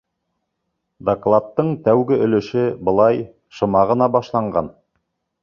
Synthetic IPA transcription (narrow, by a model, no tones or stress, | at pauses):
d̪oklˠɑt̪ːɤɴt̪æwɡɘɵ̆lɵ̆ʃɘbɤ̆lˠɑj | ʃɤ̆mɑʁɤ̆nɑbɑʃlˠɑɴɢɑ̰n